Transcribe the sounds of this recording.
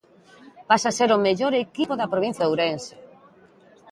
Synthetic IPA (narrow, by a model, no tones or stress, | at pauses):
pasaseɾʊmeʎoɾekipoðɐpɾoβ̞ĩn̟θjawɾense